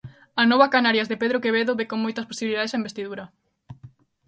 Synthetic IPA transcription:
anɔβɐkanaɾjɐzðepeðɾokeβeðoβekoŋmojt̪ɐsposiβiliðaðesaembest̪iðuɾɐ

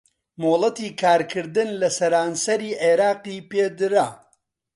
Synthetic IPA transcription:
molˠɐt̪iːkʰaːɾkʰɨɾd̪ɨnlɐsɐɾaːnsɐɾiːʔeɾaːqiːpeːd̪ɾɐ

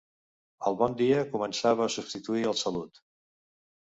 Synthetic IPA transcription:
əlˠβɔnd̪iəkumənsaβəːsubst̪it̪uiəlˠsəlut̪

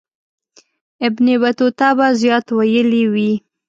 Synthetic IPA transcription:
ɪbnebat̪ot̪abazjɑt̪wajəliwi

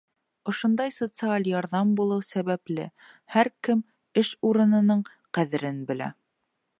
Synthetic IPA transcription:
ŏʃŏnd̪ɑjsot̪sɨalʲjɑɾðɑmbulˠɤwsæβæplɘ̰ | hæɾkɘm | ɘʃuɾɤ̆nɤ̆nɤɴ | qæðɘ̆ɾɘnbɘ̆læ̰

